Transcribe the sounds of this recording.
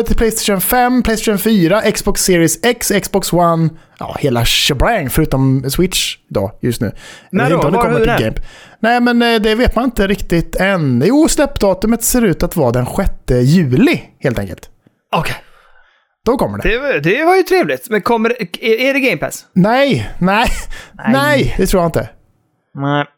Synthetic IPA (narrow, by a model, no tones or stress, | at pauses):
t̪ʰɪpʰlɛjst̪eʃɔnfɛmpʰlɛɪjst̪ːʃənfyːɾaʔɛksbɔksɪːɾɪɪsɛksɛksbɔkswanʔɑ̰ːheːlaʃɛbɾæŋfœɾʉ̟ːt̪ɔmswɪt̪ʂɪd̪ɑ̰ːjɵst̪nʉ̟ːɪɪɔmd̪ɛkɔːəɪɡɛɪmpnɛɪmɛnd̪ɛveːt̪manɪnt̪əɾɪkt̪ɪt̪ɛnjuːslɛpːd̪ɑːt̪ɵmət̪seːɾʉ̟ːt̪at̪vɑːd̪ɛnɧɛt̪ːəjʉ̟ːlɪheːlt̪ɛ̰ŋkə̰lt̪ | ɔkʰɛ | d̪̥ɔkʰɔmːəɖɛ̰ɛd̪ɛvaɾjət̪ʰɾeːvlɪt̪mɛnkʰɔmːəɛɛɖɛɡɛɪmpʰæ̰snɛjnɛɪnɛjd̪ɛt̪ʰɾuːjaɪnt̪ə